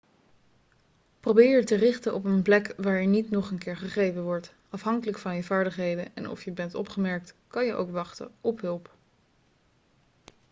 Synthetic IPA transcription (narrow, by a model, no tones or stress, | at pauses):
probɪːɹətərɪχtənʔɔpənplɛkʋaːɹjənitnɔχənkɪːɹχəχejvənʋɔɹt | ɑfɦɑŋkələkfɑnjəvaːɹdəχɦejdənɛ̰nɔ̰fjəbɛntɔ̰pχəmɛɹk̚tkɑnjəʔo̰wkʋɑχtə̰ɔpɦɵlˠp